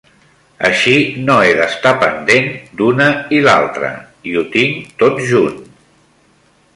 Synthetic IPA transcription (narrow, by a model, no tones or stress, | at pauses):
ə̰ʃinoeðəst̪apənd̪end̪unəila̰lˠt̪ɾə̰ | iut̪iŋt̪ot̪ʒun